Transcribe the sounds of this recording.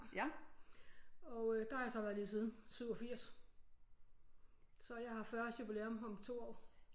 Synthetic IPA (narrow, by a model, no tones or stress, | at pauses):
ɒ̽ʊød̥ɑjɑsɒ̽ʋæɐlisið̞ˠn̩syʊɒ̽fiɐ̰s | sɒ̽jɑ̈ɪhɑ̈fɶɐsd̥jub̥ile̝omɦɒ̽mt͡sʰo̝̰ːɒ̰ː